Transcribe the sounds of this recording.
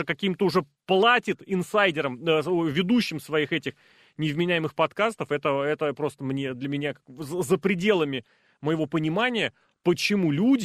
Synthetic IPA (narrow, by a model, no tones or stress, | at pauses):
əkɐkʲimt̪əʊʐɛ | plˠatʲɪt̪ɪnsajdʲɪɾəməovʲɪd̪uɕːɪmsvɐixɛtʲɪx | nʲɪvmʲɪnʲæjɪmɨxpɐt̪kast̪əfɛt̪əɛt̪əpɾo̞st̪əmnʲe̞d̪lʲəmʲɪnʲakazəzəpɾʲɪdʲe̞lˠəmʲɪ | məjɪvo̞pənʲɪmanʲɪjə | pət͡ɕɪmulʲudʲ